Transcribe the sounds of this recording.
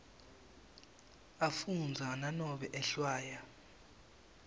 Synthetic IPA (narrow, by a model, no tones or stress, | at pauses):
afund͡zʱananɔɓɛʔɛɬwaːja